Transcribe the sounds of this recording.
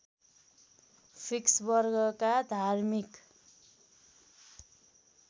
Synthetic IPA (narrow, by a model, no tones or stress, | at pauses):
pʰiksbʌrɡʌkad̪ʱarmik